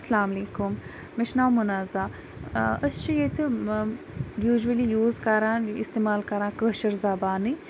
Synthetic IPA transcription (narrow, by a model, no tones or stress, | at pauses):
ɐsɐlaːmɐleːkʊm | mɪʃnaːwmʊnaːzaː | ɐst͡ʃijet̪ʰɨ | juːʒuəlijuːzkɐɾãːɪ̰st̪eːmaːlkɐɾãːkəʃɐɾzaːbaːni